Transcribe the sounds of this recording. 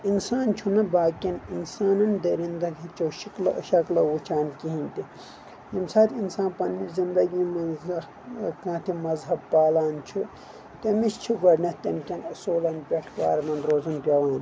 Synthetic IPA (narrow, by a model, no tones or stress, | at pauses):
insaːnt͡ʃʰunɐbaːkʲɐninsaːnɐnd̪ɐɾind̪ɐkʰit͡ʃʰowʃiklʃɐklɐwut͡ʃʰaːnkiɦĩnt̪i | jimsaːt̪ʰinsãːnpɐnːizind̪ɐɡiːmɐzɐ | kãːt̪ʰimɐzɦɐbpaːlaːnt͡ʃʰu | t̪ɐmist͡ʃʰiɡɐɾnɐt̪ɐmkʲɐnɐsoːlɐnpʲeʈʋaːɾmɐnɾoːzɐnpʲɐʋaːn